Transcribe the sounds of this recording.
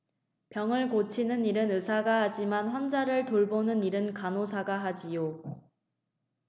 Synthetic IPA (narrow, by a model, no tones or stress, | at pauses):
pjʌŋɯɭkot͡ɕʰinɯniɾɯnɯsʰaɡaɦad͡ʑimanɸwʌnd͡ʑaɾɯɭtoɭbonɯniɾɯnkanosʰaɡaɦad͡ʑijo